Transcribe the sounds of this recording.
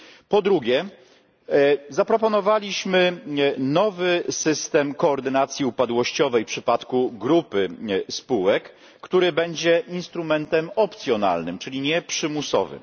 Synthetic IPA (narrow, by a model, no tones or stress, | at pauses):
pɔd̪ɾuɡʲɛ | zapɾɔpɔnɔvalʲiɕmɘnɔvɘsɘst̪ɛmkɔːɾd̪ɘnat̪sʲjiupad̪wɔɕt͡ɕɔvɛjpʂɘpat̪kuɡɾupɘspuwɛkː | t̪uɾɘbɛɲd͡ʑɛinst̪ɾumɛnt̪ɛmɔpt̪sʲjɔna̰lnɘmt͡ʂɘlʲiɲɛpʂɘmusɔ̰vɘ̰m